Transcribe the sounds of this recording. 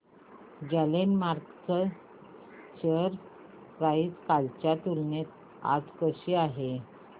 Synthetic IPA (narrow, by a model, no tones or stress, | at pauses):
d͡ʑalenmaɾkt͡sə | t͡ɕəɾ | ɾaiːt͡skalt͡ɕjat̪ulnet̪ | a̰d͡zkəɕiːaɦe